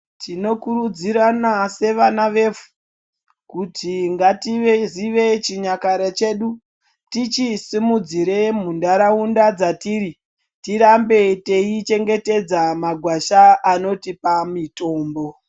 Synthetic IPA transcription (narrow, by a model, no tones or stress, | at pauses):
tʰino̞kuɾud͡ziɾanase̞ʋanaʋe̞vu̥ | kutʰiŋɡatieziʋe̞t͡ʃiɲakaɾet͡ʃe̞ːɗu | tit͡ʃisimud͡ziɾe̞m̤undaɾaundad͡zatiːɾi | tiɾambe̞te̞it͡ʃe̞ŋɡe̞te̞d͡zamaɡʱwaʃaːno̞tipamito̞ːmbo̞